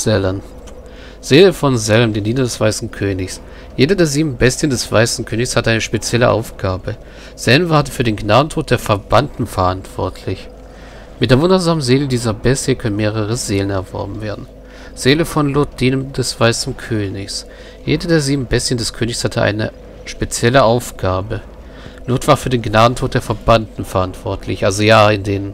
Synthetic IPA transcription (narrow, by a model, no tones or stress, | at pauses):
z̥ɛləm | z̥eːləfɔnzɛləmdeːndiːnɐdɛsv̥aɪsn̩kʰøːnɪçs | jeːdɐdeːɐziːbm̩bɛstjəndɛsv̥a̰ɪsn̩kʰøːnɪçshatəʔaɪnəʃpet͡sjɛləʔa̰ʊfɡ̥aːbə | z̥ɛlmvaːɐtəfyːɐdeːnɡnaːdn̩tʰoːt̚d̥eːɐfɛɐbantn̩fɛɐʔantv̥ɔ̰ɐtʰlɪç | mɪt̚d̥eːɐvʊndɐzaːmənzeːlədiːzɐbɛsjəkʰœnənmeːʁ̞əʁ̞əzeːlənɛɐvɔ̰ɐbm̩veːɐdn̩ | z̥eːləfɔnlʊɐt̚d̥iːnəmd̥ɛsv̥aɪsn̩kʰøːnɪçs | jeːdədeːɐziːbm̩bɛsjəndɛskʰøːnɪçshatʰəʔa̰ɪnə̰ | ʃpet͡sjɛləʔaʊfɡ̥aːbə | lʊɐtv̥aːɐfyːɐdeːnɡnaːdn̩tʰoːt̚d̥eːɐfɛɐbantn̩fɛɐʔantv̥ɔɐtʰlɪçʔalzojaːɪndeːnən